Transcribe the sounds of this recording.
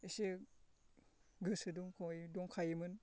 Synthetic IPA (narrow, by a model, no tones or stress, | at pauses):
ese | ɡɯsɯduŋkʰojdɔŋkʰajimɯn